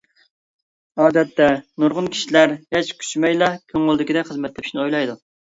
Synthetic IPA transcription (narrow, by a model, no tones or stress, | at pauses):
ɑːd̪ɛt̪ʰːɛnuɾʁʊnkʲʰi̥ʃilæɾjɛt͡ʃkʲʰy̥t͡ʃmɛjlˠɑkʲʰøŋʊlˠd̪ɪkʲid̪ɛχəzmɛt̪lɛpʰi̥ʃnɪojlˠɑjd̪u